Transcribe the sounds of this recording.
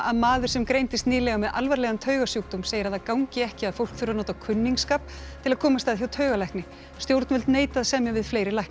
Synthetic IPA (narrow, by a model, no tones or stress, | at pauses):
aðmaːðʏɾ̥sɛmkɾejnt̪ɪst̪nɪːlɛɣamɛðʔa̰lvaɾlɛɣamt̪ʰœːɥɣasjuwk̚t̪umseːjɪɾaðakawŋcɪɛhcɪaðfowl̥kθʏɾaɾnoːt̪akʰʏnːiŋkskaːp̚ | t̪ʰɪlaðkʰɔːmast̪aðçjawt̪ʰœːɥɣalajknɪ | st̪jowɾt̪nvɪlt̪neːjt̪aðsɛmjavɪðfleːjɾɪlajhk